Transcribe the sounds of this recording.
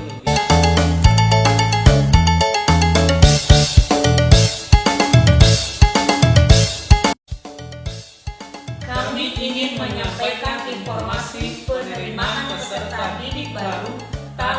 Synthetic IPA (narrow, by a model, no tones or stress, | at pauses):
kamiʔiŋɪnməɲampajkaninfɔrmasipənəɾimaʔansərt̪adidɪk̚baɾu | t̪a